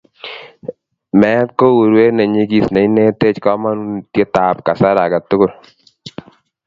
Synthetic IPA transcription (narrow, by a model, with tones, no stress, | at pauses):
mɛ˨˦t̚ko˦wu˨ɾwe˦nɛ˨ɲi˦ɡi˨sna˨i˦ne˦te˦t͡ʃkɔ˦ma˦nu˦ntje˦ta˨pka˨sa˦ɾa˨ɡa˨tʊ˦ɡʊ˦˨l